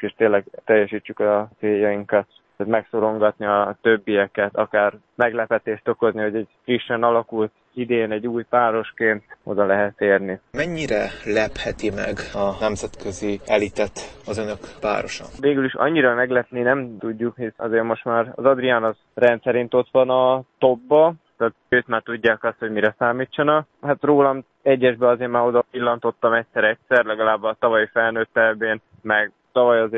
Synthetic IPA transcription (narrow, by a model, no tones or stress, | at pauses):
eːʃt̪eːnlɛɡ̚t̪ɛjːɛʃiːt͡ʃːykɒt̪seːjɒjiŋkɒt̪ː | t̪mɛksoɾo̞ŋɡɒt̪niɒt̪øbːijɛkɛt̪ɒkaːr | mɛɡlɛpɛt̪eːʃt̪o̞ko̞zniɦo̞ɟɛɟfriʃːɛnɒlɒkult̪ | id̪eːnɛɟːuːjpaːɾo̞ʃkeːnt̪o̞̰d̪ɒlɛɦɛt̪ːeːrnimɛɲːiɾɛlɛphɛt̪imɛ̰ɡɒnɛmzɛt̪kʰøziɛlit̪ɛt̪ɒzønø̞kʋa̰ːɾo̞ʃɒ̰veːɡyliʃɒ̰ɲːiɾɒmɛɡlɛt̪ninɛmt̪uɟːukhisɒ̰zeːɾmo̞ʃt̪maːɾɒ̰zɒd̪rijaːnɒz | rɛnt̪sɛɾint̪o̞t̪ʋɒnɒt̪o̞bːɒt̪aːt̪̚øːt̪maːrt̪uɟːaːkɒst̪ho̞ɟmiɾɛsaːmiːt͡ʃːɒnɒkhaːt̪roːlɒm | ɛɟːɛʒbɛɒzeːɾmaːɾo̞d̪ɒpilːɒnt̪o̞t̪ːɒmɛcʲsɛɾɛcsɛrlɛɡɒlaːbːɒt̪ɒvɒjifɛlnøːt̪ːɛlbeːn | mɛɡ | t̪ɒvɒjɒzeː